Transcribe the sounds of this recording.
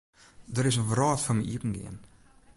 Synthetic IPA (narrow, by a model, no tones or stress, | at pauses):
dəɾɪs̬ənvrɑːtfəməʔipn̩ɡḛən